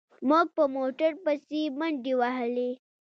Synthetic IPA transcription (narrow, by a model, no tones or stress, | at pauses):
moɡ̚pəmoʈəɾpəsiməɳɖiwaɦəli